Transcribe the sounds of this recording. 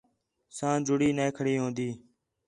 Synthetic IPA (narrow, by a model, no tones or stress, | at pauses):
sãːd͡ʒʊɽiːnẽːkʰəɽiːɦõːnd̪iː